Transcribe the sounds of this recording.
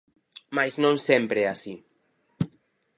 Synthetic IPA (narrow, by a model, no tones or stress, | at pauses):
majznõnsɛmpɾeɛasi